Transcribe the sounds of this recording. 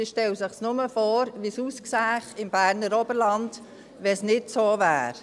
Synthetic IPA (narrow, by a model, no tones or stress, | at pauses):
iʃtɛlsɪχsnʊməfoːɾʋisuːsksæːχɪmb̥æːɾnəɾɔbəɾlɑnd | ʋɛsnɪtsoːvæ̰ːɾ